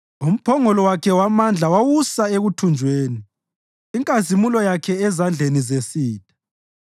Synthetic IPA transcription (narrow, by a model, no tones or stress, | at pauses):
um̩pʰɔŋɔlɔwakʰɛwamand͡ɮʱawawusaeɣutʰund͡ʒʱweːniː | ŋkʼazimulɔjakʰɛɛzand͡ɮʱenizesiːtʰʼḁ